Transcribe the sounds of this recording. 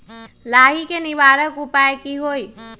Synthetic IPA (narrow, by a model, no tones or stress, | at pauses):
laːɦikeniʋaːɾəkupaekiɦoːi